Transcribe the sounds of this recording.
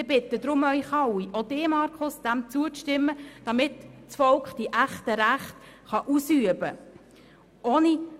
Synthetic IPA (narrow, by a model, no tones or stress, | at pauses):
ɪb̥ɪt̪ːəd̥̪ɾʊmœʏχɑwiʔodeːmɑːɾkʰʊsd̥̪æmt͡suəʃtɪmːəd̥ɑmɪt̪st͡sfɔlkχd̥iʔæχtəɾæχt̪ | χɑʔusyəbə | ʔoːni